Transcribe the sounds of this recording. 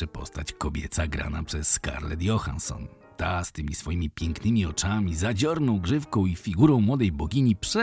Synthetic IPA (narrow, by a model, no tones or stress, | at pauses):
ɛpɔ̰st̪at͡ɕkɔbʲjɛt̪saɡɾa̰napʂɛsːka̰ɾlɛ̰d̪jɔxa̰nsɔ̰n | t̪ast̪ɘmʲisfɔjimʲipʲjɛŋknɘmʲiɔt͡ʂamʲizad͡ʑɔɾnɔ̃w̃ɡʐɘfkɔ̃w̃ifʲiɡuɾɔ̃w̃mwɔd̪ɛjbɔɡʲiɲipʂɛ